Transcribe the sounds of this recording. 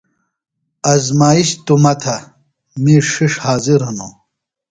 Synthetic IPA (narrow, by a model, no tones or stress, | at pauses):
ɐzmaːiɕt̪umɐt̪ʰɐ | miʂiʂhaːziɾɦɐno